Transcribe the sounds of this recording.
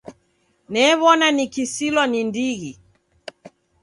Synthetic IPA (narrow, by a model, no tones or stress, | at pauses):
nɛːβɔnanikisilwɔnindiɣi